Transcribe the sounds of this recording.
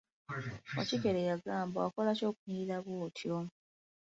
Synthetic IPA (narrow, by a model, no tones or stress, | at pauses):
a̰cikeɾejaɡaːmbaako̞laco̞ːkuniɾiɾaβwoːtʰjo